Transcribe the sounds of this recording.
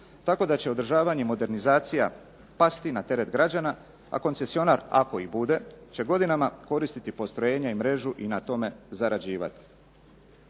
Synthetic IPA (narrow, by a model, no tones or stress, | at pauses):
t̪ako̞d̪at͡ɕe̞o̞d̪ɾʒaːʋaɲemo̞d̪e̞ɾnizaːt̪sija | past̪inat̪e̞ɾe̞t̪ɡɾad͡ʑana | a̰ko̞nse̞sio̞naɾa̰ko̞ibud̪e̞t͡ɕe̞ɡo̞d̪inamako̞ɾist̪it̪ipost̪ɾo̞je̞ːɲaimɾe̞ʒuʔinat̪o̞me̞zaɾad͡ʑiːʋa̰t̪i̥